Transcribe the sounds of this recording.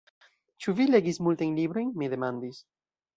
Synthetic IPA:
t͡ʃuvileɣismult̪eŋliβɾoŋmeðemãnd̪is

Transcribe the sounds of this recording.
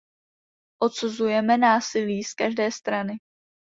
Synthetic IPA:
ʔo̞t̪suzujɛmɛnaːsɪliːskaʒdɛːst̪ɾanɪ

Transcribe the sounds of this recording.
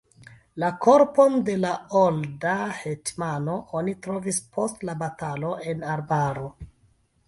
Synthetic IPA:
lako̞ɾpo̞nde̞laoldahetmano̞ʔonitɾo̞vispʰo̞stlabatalo̞ʔe̞naɾbaɾo̞

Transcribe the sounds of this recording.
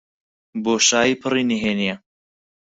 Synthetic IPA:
boːʃaːiːpʰɨriniɦeːnijɛ

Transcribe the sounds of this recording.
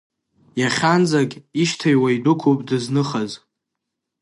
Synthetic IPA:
jaχʲand͡zakʲʼiʃtʰajwaidʊkʷʰupʼdɨznɨχaz

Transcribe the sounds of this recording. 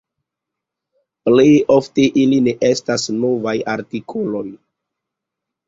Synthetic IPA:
plejo̞fte̞ʔiline̞ʔestasno̞vajaɾtikʰolo̞j

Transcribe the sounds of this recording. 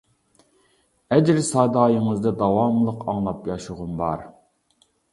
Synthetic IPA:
ɛd͡ʒɾsɑd̪ɑːjəŋɨzd̪ɨd̪ɑwɑmlˠəqɑŋlˠɑpjɑʃʊʁʊnbɑ̰ɾ

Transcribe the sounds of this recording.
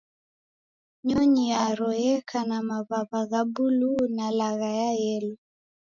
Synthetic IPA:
ɲɔɲijaɾɔjɛkʰanamaβaβaɣabulunalaɣajajɛlu

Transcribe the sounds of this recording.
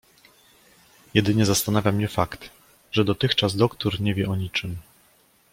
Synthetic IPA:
jɛd̪ɘɲɛzast̪anavʲjamɲɛfakt̪ | ʐɛd̪ɔt̪ɘxt͡ʂazd̪ɔkt̪uɾɲɛvʲjɛʔɔɲit͡ʂɘm

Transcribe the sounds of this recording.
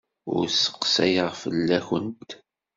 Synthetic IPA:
ʊ̰ɾsə̥qsæjəʁfəlːæçənt̪

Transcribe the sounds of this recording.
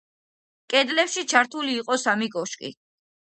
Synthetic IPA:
kʼɛd̪lɛpʃit͡ʃʰaɾt̪ʰuliːqʼɔsamiɡɔʃkʼḭ

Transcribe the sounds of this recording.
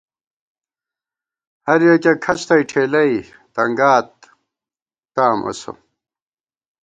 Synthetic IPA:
hɐɾjekekʰɐt͡ɕt̪ɐiʈʰeːlɐi | t̪ɐŋɡaːt̪̚ | t̪aːmʔo̰so̰

